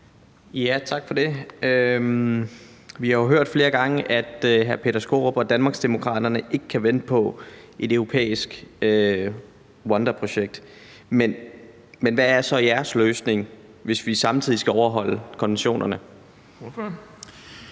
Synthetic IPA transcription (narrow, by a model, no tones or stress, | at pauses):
jæt͡sʰɑ̈ɡ̥fɒ̽de̝øm | ʋihɑ̈oɦøɐ̰d̥fle̝ːɐɡ̥ɑ̈ŋəʔæd̥ɦæɐpʰe̝ːɾɐsɡ̥o̝ʁob̥ɒ̽d̥ænmɑ̈ːɡ̥sd̥emo̝kʰʁɑ̰̈ːd̥ɐnəʔe̝ɡ̥əkʰæʋen̰d̥əpʰɒ̽ | ʔe̝døʊʁo̝pʰḛːisɡ̥ø | wɒnd̥ɐpʰʁo̝ɕeɡ̥̚d̥ | men | menʋææɐsɒ̽iæɐsløːsne̝ŋ | ʋe̝sʋisɑ̈mt͡sʰið̞̰ˠisɡ̥æɒʊɐɦɒ̽l̰əkʰɒ̽nʋenɕo̝̰ːnɐnə